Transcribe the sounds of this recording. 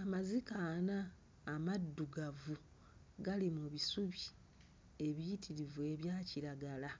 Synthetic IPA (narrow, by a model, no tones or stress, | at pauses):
amazikaːnaː | madːuɡavu | ɡalimuβisuβi | e̞βijitʰiɾivwe̞βjaːciɾaɡala